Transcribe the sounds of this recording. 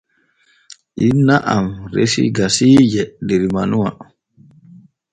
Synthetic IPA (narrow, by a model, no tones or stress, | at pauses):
ʔinːaʔamɾḛsḭɡasid͡ʒɛdeɾimanuwa̰